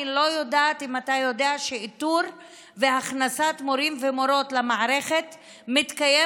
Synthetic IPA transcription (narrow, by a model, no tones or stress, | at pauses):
lo̞jo̞daːtimatajo̞deaʃeit̪uɾ | veaχnasat̪mo̞ɾimvemo̞ɾo̞tlamaʕaɾeχet | mit̪kaje